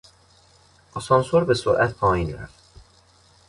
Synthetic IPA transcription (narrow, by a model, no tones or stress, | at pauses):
ʔɒsɒnsoɾbesoɾʔæt̪pʰɒːjiːnɾæ̰ft̪